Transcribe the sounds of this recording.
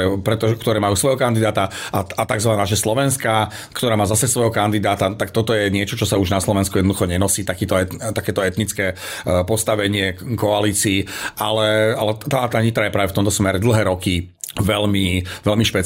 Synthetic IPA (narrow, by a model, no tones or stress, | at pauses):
ɛpɾɛt̪ɔkt̪ɔɾɛːmajuːsʋɔjɦɔkand̪id̪aːt̪aʔaat̪aɡzʋanaːʒɛslɔʋɛnska | kt̪ɔɾaːmaːzasɛsʋɔjɦɔkand̪id̪aːt̪at̪ak̚t̪ɔt̪ɔjɛɲɪɛt͡ʃɔt͡ʃɔsauʒnaslɔʋɛnskujɛd̪nd̪uxɔɲɛnɔsiːt̪akiːt̪ɔɛt̪t̪akɛːt̪ɔɛt̪nit͡skɛːpɔst̪aʋɛɲɪɛkɔaliːt͡siːalɛalɛt̪aːt̪aːɲit̪ɾajɛpɾaːʋɛft̪ɔmt̪ɔsmɛɾɛd̪l̩ˠɦɛːɾɔkiʋɛʎmiʋɛlmiʃpɛ